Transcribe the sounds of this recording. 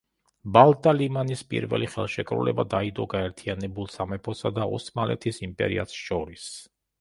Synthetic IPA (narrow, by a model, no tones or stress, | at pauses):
balˠt̪ʼalimanispʼḭɾvɛ̰liχɛ̰lˠʃɛkʼɾṵlɛbad̪aid̪ɔɡaɛɾt̪ʰianɛbulˠsamɛpʰɔsad̪aɔ̰smalɛ̰t̪ʰisimpʼɛ̰ɾḭat̪sʃɔɾis